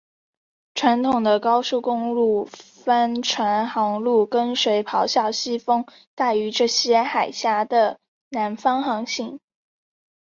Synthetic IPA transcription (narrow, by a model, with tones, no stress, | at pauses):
ʈ͡ʂʰwa˧˥nt̪ʰʊ˨˩ŋd̪ə˦kɑ˥ʊʂu˥˩kʊ˥ŋlu˥˩ | fa˥nʈ͡ʂʰwa˧˥nxɑ˧˥ŋlu˥˩kə˥nʂwe˧˥ɪpʰɑ˧˥ʊɕjɑ˥˩ʊɕi˥fɤ˥ŋ | t̪a˥˩ɪy˧˥ʈ͡ʂɤ˥˩ɕjɛ˥xa˨˩ɪɕja˥d̪ə˨ | na˧˥nfɑ˥ŋxɑ˧˥ŋɕi˥˩ŋ